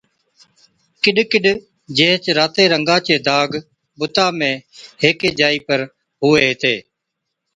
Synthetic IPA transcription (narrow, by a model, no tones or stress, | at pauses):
kɪɗkɪɗ | d͡ʒẽːɦt͡ʃɾaːt̪eːɾəŋɡãːt͡ʃeːd̪aːɡ | ɓʊt̪aːmẽːɦeːkeːd͡ʒaːiːpəɾ | ɦʊːeːɦt̪eː